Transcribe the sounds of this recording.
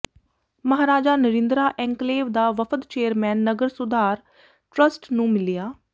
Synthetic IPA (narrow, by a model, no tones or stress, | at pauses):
məɦaːɾaːd͡ʒaːnəɾɪ̃nd̪ɾaːʔɛ̃ːŋkleːʋd̪aːʋəpʰəd̪t͡ʃeːəɾmɛ̃ːnːəɡəɾsʊd̪aːɾ | ʈɾəsʈnũːmɪlijaː